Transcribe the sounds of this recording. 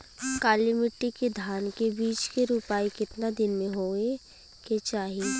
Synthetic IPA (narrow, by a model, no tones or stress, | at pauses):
kaːlɪmɪʈːiked̪ʱaːnkebiːt͡ʃkeɾupaːikɪt̪nad̪ɪnmẽɦoːe | ket͡ʃaːɦieː